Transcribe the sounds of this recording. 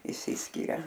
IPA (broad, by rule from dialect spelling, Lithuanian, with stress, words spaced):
ɪʃʲˈsʲɪsʲkʲɪrʲɛ